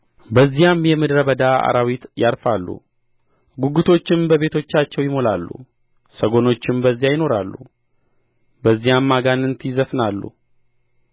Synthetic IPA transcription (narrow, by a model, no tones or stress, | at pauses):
bəzːijamjɛmɨd̪ɾəbəd̪aa̰ɾawit̪jaɾfalːṵ | ɡuɡut̪ʰo̞t͡ʃːɪmbəβe̞t̪ʰo̞t͡ʃːat͡ʃːɛwjɪmo̞lalːṵ | səɡo̞no̞t͡ʃːɪmbəzːijajɪno̞ɾalːṵ | bəzːijamːaɡanɨnt̪ʰizəfnalːṵ